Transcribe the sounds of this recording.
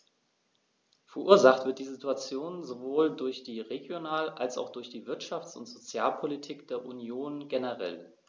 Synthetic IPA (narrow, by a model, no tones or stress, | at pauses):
fɛɐʔuːɐzaχtv̥ɪɐt̚d̥iːzituat͡sjoːnzovoːldʊɐçd̥iːʁeɡjonaːlʔalsa̰ʊxd̥ʊɐçd̥iːvɪɐtʃaft͡sʊntz̥ot͡sjaːlpʰolitʰiːkd̥eːɐʔunjoːnɡenəʁɛ̰l